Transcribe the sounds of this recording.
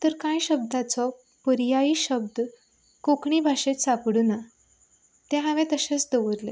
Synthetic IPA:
t̪əɾkãjɕəb̚d̪at͡sɔ | pəɾjaiɕəb̚d̪ | kokɳibʱaʂet̪sapɽuna | t̪ɛ̃ɦaʋẽt̪əɕẽt͡sd̪əʋəɾlḛ

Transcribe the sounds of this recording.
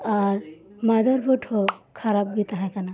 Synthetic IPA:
ɔːɾ | mad̪əɾboʈʰokʰaɾab̚ɡit̪aɦɛ̃kɐna

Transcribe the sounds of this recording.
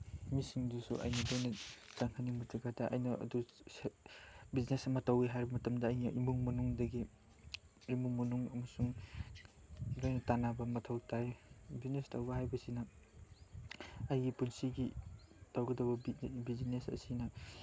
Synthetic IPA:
misiŋdusṵʔɐ̰jnidojnɐtaŋhʰanimutaɡadɐʔɐ̰jnɐɐ̰du | biznesɐmɐtawiɦajɾibɐmɐtɐmdɐːjniʔimuŋmɐnuŋdɐɡi | ɾimuŋmɐnuŋɐmɐsuŋ | lojnɐtanabɐmɐtʰɐwtajbiznestawbɐɦajbɐsinɐ | jɡipunsiɡitawɡɐdɐbɐbbizinesɐ̰sinɐ

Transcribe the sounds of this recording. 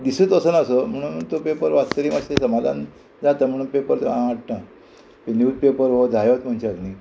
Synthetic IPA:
d̪isuːt̪əsənəsəm̤əɽ̃uːnt̪opepəɾʋat̪t̪əɾiːmaɕesəmad̪ʱa̰n | d͡zat̪əːm̤əɽ̃uːnpepəɾt̪eãʋaʈ̚ʈə | pinjuːpepəɾɦod͡zʱajot̪m̤əɳt͡ɕad̪ni

